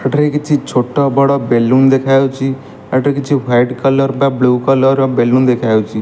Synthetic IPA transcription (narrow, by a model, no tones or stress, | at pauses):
əʈɾekit͡ʃʰit͡ʃʰoʈːɔbɔɽɔbelːund̪ekʰajot͡ʃʰi | əʈɾekt͡ʃʰiwajɖkʌlʌɾbablukʌlɔɾbelund̪ekʰajot͡ʃʰi